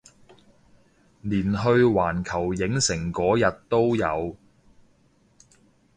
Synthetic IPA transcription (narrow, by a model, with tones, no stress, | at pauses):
liː˨˩nɦɵ˧ɥwaː˨˩nkʰɐ˨˩wjɪ˨˥ŋsɪ˨˩ŋkɔː˨˥jɐ˨t̚t̪o˥wjɐ̰˨˧w